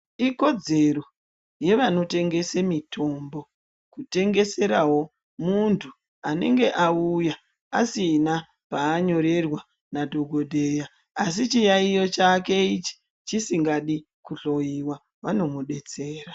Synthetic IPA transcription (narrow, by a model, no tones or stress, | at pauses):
iko̞d͡ze̞ro̞ | je̞ʋano̞te̞ŋɡe̞semitʰo̞mbo̞ | kute̞ŋɡe̞se̞ɾaɦo̞ | muntʰu | ane̞̰ŋɡe̞ʔauja | asina | paːɲo̞ɾe̞rwa | nadʱo̞ɡʱo̞dʱe̞jaː | sit͡ʃijaijo̞t͡ʃake̞it͡ʃi̥ | t͡ʃisiŋɡaɗi | kuɬo̞jiwa | ʋano̞muɗe̞t͡se̞ːɾa